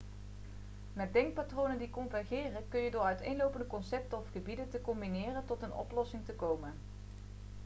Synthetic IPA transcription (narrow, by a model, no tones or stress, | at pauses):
naːdɛŋk̚patrownəndikɔnvɛɹχɪːrəkɵnjədʊːɹœɥtejnlowpəndəkɔnsɛp̚təɔfχəbidəntəkɔmbinɪːrəntɔtənɔ̰plɔsɪŋtəkowmən